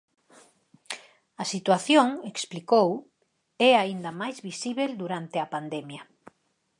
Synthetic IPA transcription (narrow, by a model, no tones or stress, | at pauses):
ɐsit̪waθjoŋeksplikow | ɛaind̪ɐmajzβisiβeld̪uɾant̪eɐpand̪ɛmjɐ